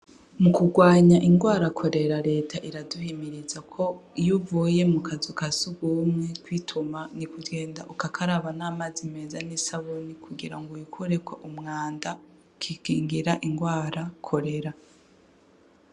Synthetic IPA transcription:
mukuɡwaːɲaʔiŋɡwaːɾakʰo̞ɾe̞ɾaɾe̞ːtʰaʔiɾaduhimiɾizakʰo̞ijuvuje̞mukazukasuɡumŋekwiːtʰumanikudɡe̞ːnda̰ʔukakʰaɾaβanaːmazimezanisaβonikʰuɡiɾaŋɡujukʰuɾe̞kweʔumŋaːnda | kʰikiːŋɡiɾaʔiŋɡwaːɾakʰo̞ɾe̞ɾa

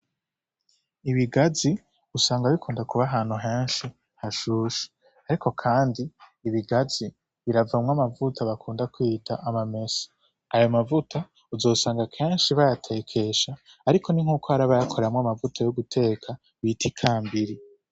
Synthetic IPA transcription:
iβiɡazi | usaːŋɡaβikʰuːndakuβaɦaːn̥huɦe̞ːnʃi | haʃuːʃi̥ | aɾikʰo̞kʰaːndiːβiɡaz̥i | βiɾavamŋamavutʰaβakʰuːndakwiːtʰaʔamame̞sḁ | ajo̞mavutʰa | uzo̞ːsaːŋɡakʰe̞ːnʃiβajatʰe̞ːkʰe̞ʃaː | ɾikʰo̞niŋ̥uːkoaɾaβajakʰo̞ɾeamŋoamavutʰajoɡutʰe̞ːkʰa | βitikʰaːmbiɾi

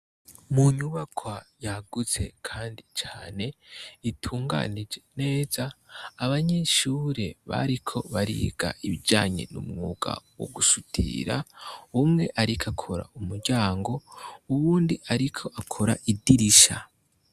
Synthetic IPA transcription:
muɲuβakʰwajaɡ̥ut͡se̞kʰaːndit͡ʃaːne̞itʰuːŋɡa̰nid͡ʒe̞ne̞ːzaːβaɲe̞ʃuːɾe̞βa̰ɾikʰo̞βaɾḭɡ̥a̰ʔiβid͡ʒaːɲe̞̰nṵmŋuːɡa̰wo̰ɡuʃutʰḭɾa̰umŋe̞ʔaɾikʰakʰo̞ɾa̰umuɾɟaːŋɡo̞uβuːndiʔaɾikʰo̞ʔakʰo̞ɾaʔidiɾiʃa

